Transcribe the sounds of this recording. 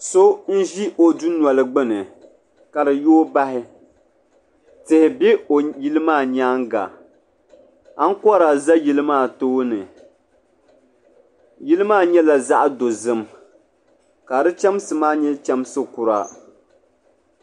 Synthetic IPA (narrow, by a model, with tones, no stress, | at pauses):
so˦n̩˦ʒi˦ʔo˨du˦n˨ɔ˨lɨ˨ɡ͡bɨ˦nɨ˨ | ka˨dɨ˨joː˦ba˦ɦɪ˦ | tɪ˨hɪ˨bɛ˦o˨ji˦lɨ˦maː˦˨ɲaː˦ŋɡa̰˨ | a˦ŋ̩˦kɔ˦ɾa˨za˦ji˦lɨ˦maː˦˨toː˦nɨ˨ | ji˦lɨ˦maː˦˨ɲɛ˦la˨za˦ʔdo˨zɨ˦m | ka˨dɨ˦t͡ʃɛ˦msɨ˨maː˦ɲɛ˦t͡ʃɛ˦msɨ˦kʊ˨ɾa̰˦